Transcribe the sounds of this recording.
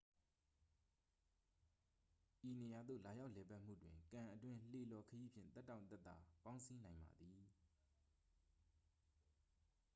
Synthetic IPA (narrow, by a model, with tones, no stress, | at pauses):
ʔi˨ne˨ja˨d̪ðo̰˦˨la˨ja˦ʊʔlɛ˨pa˦ʔm̥ṵ˦˨dwɪ̃˨ŋkã˨ʔə˨twɪ̃˦l̥e˨lɔ˨kʰəji˦pʰjɪ̰̃˦˨t̪tːã˦˨ʊ̃nt̪ɛ˦˨t̪ːa̰˨pã˦ʊ̃si˦nã˨ɪ̃mba̰˨d̪ði˨